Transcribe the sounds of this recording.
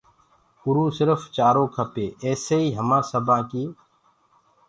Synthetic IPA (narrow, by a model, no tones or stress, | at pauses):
ʊɾuːsɪɾəft͡ʃaːɾõːkʰəpeːɛːseːiːɦəmãːsəbãːkiː